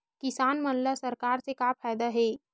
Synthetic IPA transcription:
kɪsaːnmɐnlasɐɾkaːɾsekaːpʰaːjd̪aɦɛː

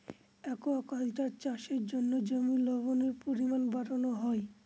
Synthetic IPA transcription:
ɛkoɔkalʈaɾt͡ɕaʃeɾd͡ʑonːod͡ʑomilɔβoneɾpoɾimanbaɾonoɦɔe

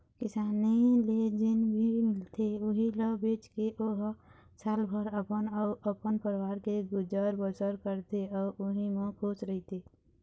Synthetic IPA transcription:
kɪsaːniled͡ʒɪnbʱimɪlt̪eʊɦiləbeːt͡ʃkeʔoɦ | saːlbʱəɾəpənɔəpənpəɾwaːɾkeɡʊd͡ʒəɾbəsəɾkəɾt̪eɔːʊɦimõkʰoːsɾəɦit̪eː

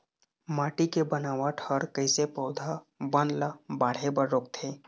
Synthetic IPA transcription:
maːʈikebənaːʋaʈʰəɾkəɪsepəʊd̪ʱa | bənlabaɽ̤ebəɾːok̚t̪ʰe

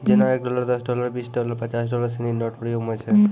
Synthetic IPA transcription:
d͡ʒenaɛk̚ɖɔlaɾd̪ɔsɖɔlaɾbisɖɔlaɾpət͡ʃas̬ɖɔlaɾsininɔʈpɾɔjoɡɦɔjt͡ʃʰɛ

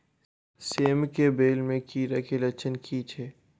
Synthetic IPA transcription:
seːmkebeːlmẽkiːɾakelɐt͡ʃʰənkʰiːt͡ʃʰeː

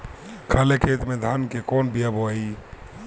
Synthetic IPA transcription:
kʰəlekʰet̪med̪ʱankekɔnbijəboi

